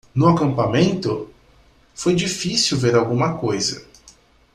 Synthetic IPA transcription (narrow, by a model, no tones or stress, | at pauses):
nʊakɐ̃mpamẽnt̪ʊ | fojd͡ʒifisiwveɾawɡũmɐkojzɐ̰